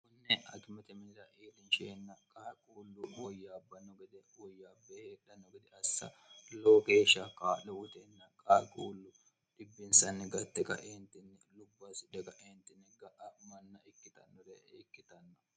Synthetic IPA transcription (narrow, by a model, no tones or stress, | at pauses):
kʊnːɛɐ̰kmɛt̪ɛmɪnɪɾɐʔeːlɪnʃeːnːɐkʼaːkʼuːlːʊwɔjːaːbːɐnːɔɡɪd̪ɛwɔjːabeheᶑɐnːɔɡɪd̪ɛɐsːɐ̰ | loːke̞ːʃːɐkaːlɛwʊt̪ɛnːɐkʼaːkʼuːlːʊ | ᶑɪbːɪnsɐnːɛɡɐt̪ːɛkɐ̰ʔeːnt̪ɪnːɛlʊbːɐsɪᶑ̪ɛkɐʔeːnt̪ɪnːɛɡɐʔɐmɐnːɐɪkːɪt̪ɐ̰nːɔd̪ɛɪkːɪt̪ɐnːɐ